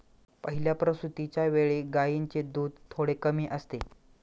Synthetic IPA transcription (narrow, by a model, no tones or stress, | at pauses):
pəɦiljapɾəsut̪it͡ɕjaʋeɭeɡajiɲt͡ɕed̪uːd̪̚t̪ʰːoɽekəmiːʔəst̪e